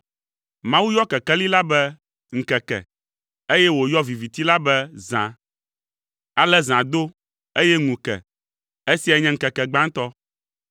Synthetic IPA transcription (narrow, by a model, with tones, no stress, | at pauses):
mã˦wu˦jɔ˦kɛ˨kɛ˦li˦la˦bɛ˦ | ŋ̩˨kɛ˨kɛ̰˨ | e˦jɛ˦wo˨jɔ˦vi˨vi˨t̪i˦la˦bɛ˦zã̰˨ | a˨lɛ˦zã˨d̪o˦ | e˦jɛ˦ŋũ˨kɛ̰˨ | e˦si˦a˨ɲɛ̃˦ŋ̩˨kɛ˨kɛ˨ɡ͡bã˦ŋ̩˦t̪ɔ˦